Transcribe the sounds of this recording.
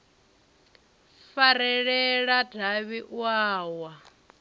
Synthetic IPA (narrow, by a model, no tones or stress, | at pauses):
faɾɛɺɛɺadʱaβiʔwaːwa